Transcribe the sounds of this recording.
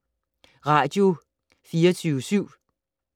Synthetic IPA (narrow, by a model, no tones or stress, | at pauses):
ʁɑ̈ːd̥jo̝ | fiːɐt͡sʰyːʊəsyʊ̰